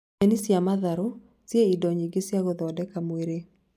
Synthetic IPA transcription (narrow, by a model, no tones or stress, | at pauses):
ɛnisjamaðaɾo | sjeidɔɲiɡesjaɣoðɔdɛkamweɾe